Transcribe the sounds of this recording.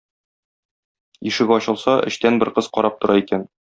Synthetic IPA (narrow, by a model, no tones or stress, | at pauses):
jiʃɘ̆ɡɒɕɤ̆lˠsɑʔɘ̰̆ɕt̪ænbɘ̆ɾqɤz̥qɒɾɑp̚t̪ŏɾʔɑikæn